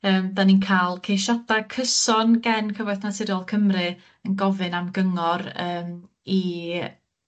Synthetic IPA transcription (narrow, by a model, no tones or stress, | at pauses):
əːmdaninkʰaːlˠkʰejʃadakʰəsɔnɡɛnkʰəvɔjθnatʰɪɾjɔlˠkʰəmrɨ | ənɡɔvɨnamɡəŋɔɾəːm | i